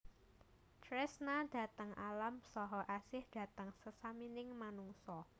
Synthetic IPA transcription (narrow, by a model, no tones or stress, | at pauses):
t̪ɾɛsnad̥ä̤t̪əŋalamsɔɦɔʔasɪhd̥ä̤t̪əŋsəsaminɪŋmanuŋsɔ